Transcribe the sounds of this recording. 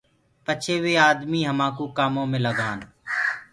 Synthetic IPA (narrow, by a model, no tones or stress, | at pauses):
pət͡ʃʰeːʋeːaːd̪miːɦəmãːkuːkaːmõːmẽːləɡaːn